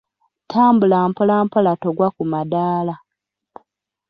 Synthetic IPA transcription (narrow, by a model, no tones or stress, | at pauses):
tʰaːmbulaːmpolaːmpolatoɡwakumadaːla